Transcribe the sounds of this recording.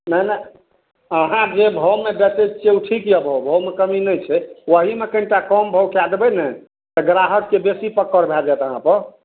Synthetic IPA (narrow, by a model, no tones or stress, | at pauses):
nənə | əɦãd͡ʒebʱəwmebeset͡ʃeuʈʰikjɛbʱəwbʱowmekəminəjt͡ʃʰɛwəɦimekəɳʈakɔmbʱəwkad̪ebɛnə | t̪əɡɾaɦəʈkebesipəkːəɾbʱɛd͡ʒat̪əɦãpəɾ